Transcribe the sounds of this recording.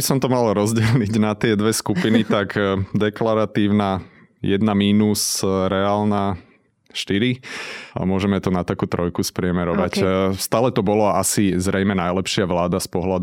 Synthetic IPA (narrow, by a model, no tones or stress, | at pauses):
isɔmt̪ɔmalɾɔzɟɛlɲiɟnat̪ɪɛd̪ʋɛskupinit̪akd̪ɛklaɾat̪iːʊna | jɛd̪namiːnusɾɛaːlna | ʃt̪iɾia̰mʊɔʒɛmɛt̪ɔnat̪akuːt̪ɾɔjkuspɾɪɛmɛɾɔʋacst̪aːlɛt̪ɔbɔlɔasizɾɛjmɛnajlɛpʃɪaʋlaːd̪aspɔɦlad̪